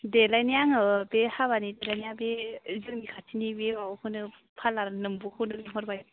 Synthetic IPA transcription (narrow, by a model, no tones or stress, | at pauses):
delajnijaŋɯbehaβanidelajnijabezɯŋbikʰatʰinibebahɯnɯ | pʰalaɾnɯmbuhɯnɯniɦɔɾbaj